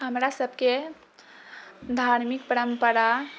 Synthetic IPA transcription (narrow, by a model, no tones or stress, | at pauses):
ɦəmɾasəbʱke | d̪ʱaɾmikpəɾəmpəɾa